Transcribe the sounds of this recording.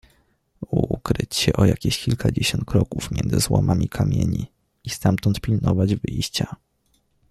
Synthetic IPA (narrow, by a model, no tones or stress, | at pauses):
ukɾɘt͡ɕɕɛʔɔjakʲiɕkʲilkʰad͡ʑeɕɔnt̪̚kɾɔkufmʲjɛnzɘzwɔmʔamʲikʰamʲjeɲi | ist̪amt̪ɔnt̪pʲilnɔvad͡ʑvɘjɕt͡ɕa